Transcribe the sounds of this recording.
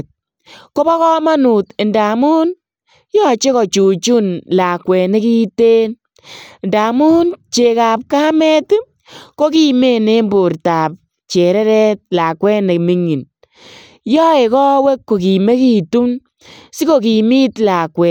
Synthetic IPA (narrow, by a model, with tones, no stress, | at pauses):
t̚ | ko˦bɔ˦kɔ˦ma˦nu˨te˨nda˨mu˦n | jɔ˦t͡ʃe˦kɔ˨t͡ʃu˨t͡ʃu˦nla˨kwɛ˨ne˦ki˦te˦n | nda˨mu˦nt͡ʃe˨ka˨p̚kaː˦mɛ˦t | ko˦ki˦me˦ne˦mbʊ˨ɾta˨p̚ | t͡ʃe˨ɾɛ˦ɾɛ˦t̚la˨kwɛ˦ne˨mi˦ŋi˨n | jɔ˦e˨kɔ˦we˦kːo˨k̬i˨me˦ki˦tu˦n | si˦ko˨ki˨mi˦tla˨kwɛ˨